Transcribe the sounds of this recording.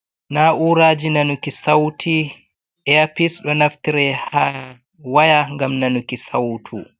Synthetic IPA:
naʔuːɾaːd͡ʒinanukisawtʰi | ʔɛapisɗɔnaftiɾɛha | wajaŋɡamnanukisawtʰu

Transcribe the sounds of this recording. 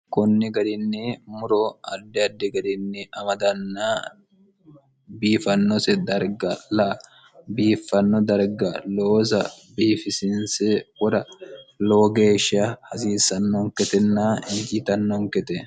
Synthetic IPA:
kʊnːɪɡɐd̪ɪnːɪmʊɾɔɐd̪ːɛɐd̪ːɪɡɐd̪ɪnːɪɐmɐd̪ɐnːaː | biːfɐnːɔsɛd̪ɐɾɡɐlɐʔ | biːfːɐnːɔd̪ɐɾɡɐloːsɐ | biːfɪsɪnsɛwɔɾɐloːɡeːʃɐhɐsiːsɐnːɔŋkɛt̪ɛnːaːɪnd͡ʒit̪ɐnːɔŋkɛt̪ɛ

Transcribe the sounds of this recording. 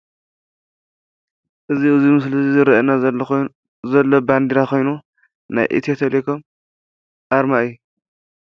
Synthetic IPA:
ʔɨziɨzimɨs̬lzizɨɾɐʔɐna | zɐlːoband̪iɾakʰo̞jnu | na̰jʔḭt̪ʰijot̪ʰɐlekʰom | ʔaɾmaɨju

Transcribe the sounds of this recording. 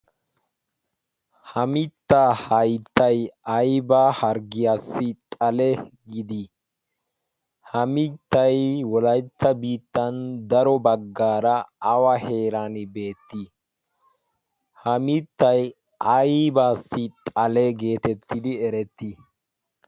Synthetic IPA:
hɐmɪt̪ːaːhɐjt̪ːɐjɐjbaːhɐɾɡɪjaːsːɪt̪ʼɐlɛɡɪd̪i | hɐmɪt̪ːɐjwɔlɐjt̪ːɐbiːt̪ːɐnd̪ɐɾɔbɐɡːaːɾɐːwɐhe̞ːɾanbe̞ːt̪ːi | hɐmɪt̪ːɐj | ʔɐjbaːsːɪt̪ʼɐlɛɡe̞ːt̪ɛt̪ːɪd̪ɪɛɾɛt̪ːi

